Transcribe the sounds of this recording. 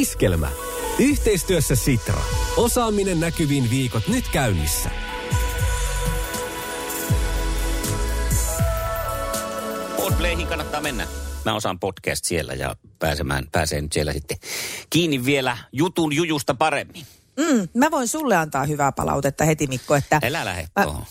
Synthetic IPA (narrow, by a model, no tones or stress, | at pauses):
iskelmæ̰ | yht̪eist̪yøsːæsit̪rɑ̰osɑːmːinenːækyʋiːnʋiːkot̪nyt̪kæynːisːæ̰ | poˑispleˑihiːŋkɑnːɑt̪ːɑːmenːæ̰æosɑ̰mpot̪kæ̰ːst̪sielːæ̰jɑ̰pæ̰ːsemæ̰ːnpæ̰ːsḛːnyt̪sielːæ̰sit̪ːekiːnːiʋʋielæjut̪unjujust̪ɑpɑremːin | m̩mːmæʋoinsulːeɑnt̪ɑːhyʋæpɑ̰lɑ̰ut̪et̪ːɑhet̪imikːoet̪ːæelælæ̰hḛtæo̰